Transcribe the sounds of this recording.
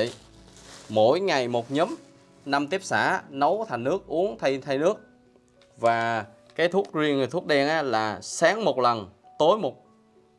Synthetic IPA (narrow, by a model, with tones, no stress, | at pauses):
mo̰˧˩˨jŋa˨˩jmo˨˩t̚ɲəː˨˦m | na˧mt̪i˦˥əp̚sa̰ː˧˩nə˨˦wt̪ʰa˨˩ŋnɨ˦˥ək̚ʔu˨˦əŋt̪ʰa˧jt̪ʰa˧jnɨ˦˥ək̚ | vaː˨˩ | kaː˨˦jt̪ʰu˦˥k̚zi˧ən˨˩t̪ʰu˦˥t̚ɗɛ˧nʔaː˨˦laː˨˩saː˨˦ŋmo˨˩t̚lə˨˩n | t̪o˨˦jmo˨˩t̚